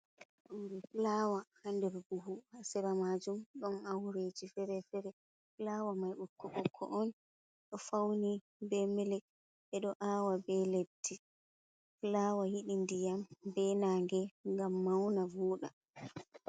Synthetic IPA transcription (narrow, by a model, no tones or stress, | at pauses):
ʔawɾɛflawahandɛɾbuhuhasɛɾamad͡ʒumɗɔnawɾeːd͡ʒifɛɾɛfɛɾɛ | flaːwamajʔukːɔʔɔkʰːɔ̰ʔɔn | ɗɔfawni | bɛmɛlɛk | ɛɗɔʔaːwabɛletːi | flaːwahiɗindijambɛnaːŋɡɛŋɡamːawnavuːɗa̰